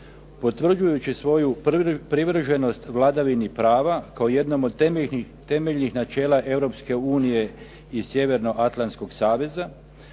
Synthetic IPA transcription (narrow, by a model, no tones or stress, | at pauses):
po̞t̪ʋr̩d͡ʒujut͡ɕisʋo̞jupɾiʋr̩ʒeno̞st̪ʋlˠad̪aʋinipɾaːʋakaoje̞d̪no̞mod̪ | t̪e̞meʎnixnat͡ʃe̞ːlˠaʔe̞ʋɾo̞pske̞uːnije̞ | isje̞ʋe̞ɾno̞ʔat̪lˠant̪sko̞ɡsaːʋe̞za